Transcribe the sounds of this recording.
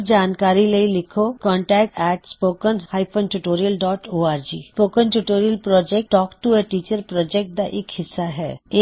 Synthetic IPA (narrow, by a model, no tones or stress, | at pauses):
d͡ʒaːnkaːɾiləilɪkʰokɔ̃ːɳʈɛːk̚ʈɛːʈspoːkənhaːipʰõnʈuʈoːɾijəlɖɔːʈoːaːɾd͡ʒḭːspoːkənʈuʈoːɾijəlpɾɔːd͡ʒɛk̚ʈʈɔːkʈueʈiːt͡ʃəɾpɾɔːd͡ʒɛk̚ʈ̚d̪aʔɪkhɪsːaɦɛ̰ːe